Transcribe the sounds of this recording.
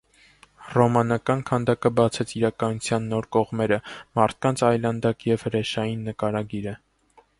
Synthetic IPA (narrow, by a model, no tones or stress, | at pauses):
rɔmɑnɑkɑnkʰɑnd̪ɑkəbɑt͡sʰɛt͡sʰiɾɑkɑnut͡sʰjɑnːɔɾkɔʁmɛɾəmɑɾt̪̚ʰkɑnt͡sʰɑjlɑnd̪ɑkjɛv̥həɾɛʃɑjinːəkɑɾɑɡiɾə